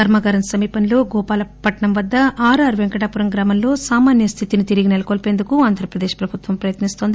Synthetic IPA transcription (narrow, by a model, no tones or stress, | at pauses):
ɐɾmɐɡɐɾɐnsɐmiːpɐnlo̞ːɡɔːpaːlɐpɐʈɐɳɐmʋɐd̪ːɐaːɾɐɾʋeŋkɐʈaːpuɾɐŋɡɾaːmɐmlo̞ːsaːmaːnjɐst̪ʰit̪init̪iɾiɡinelɐkoːlpe̞ːnd̪ukuaːnd̪ʱɾɐpɾɐd̪eːʃpɾɐbʱut̪ʋɐmpɾɐjɐt̪nist̪ond̪i